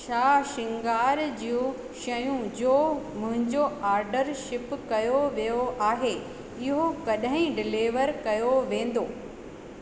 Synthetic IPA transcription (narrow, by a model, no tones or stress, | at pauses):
ʃaːʃɪ̃ŋɡaːɾd͡ʑijũ | ʃɐjũd͡ʑoːmʊ̃ɦɪ̃ɲd͡ʑoaːɾɖəɾʃɪpkɐjoʋijoaːɦe | ɪɦokɐɗɦɪ̃ɖɪleːʋəɾkɐjoʋẽːn̆d̪oː